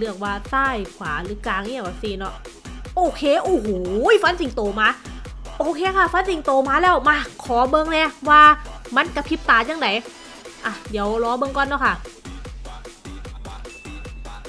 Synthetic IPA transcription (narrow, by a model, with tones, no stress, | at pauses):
lɯ˥˧˩ək̚waː˧t̪aː˧˥˩jkʰwaː˨˩˦lɯː˨˦kaː˧ŋ˧i˧˥˨bɔ˨˩siː˧˩nɔ˦˥ʔ | ʔoː˧˩kʰeː˧˨ʔoː˨˧˩hoː˨˩jfa˧˥nsi˨˦ŋt̪oː˨˩maː˧˥ʔoː˧˩kʰeː˧˩kʰa˧˥˩fa˧˥˨nsi˨˩ŋt̪oː˨˩maː˧˥˧lɛː˦˥˩wmaː˧kʰɔː˨˦bɤː˧ŋlɛː˧˩waː˧ma˧˥˨nka˧˩pʰi˧˩p̚t̪aː˧˩ɲaː˧˩ŋda˨˩˦j | ʔa˧˩di˨˦əwlɔː˧˦bɤ˧ŋkɔː˧˩nːɔ˦˧˥kʰa˥˩ʔ